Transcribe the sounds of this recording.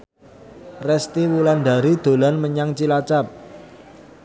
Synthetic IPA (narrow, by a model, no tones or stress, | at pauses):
rɛst̪iwulanɖa̤ɾid̪̥o̤lanməɲaŋt͡ʃilat͡ʃap̚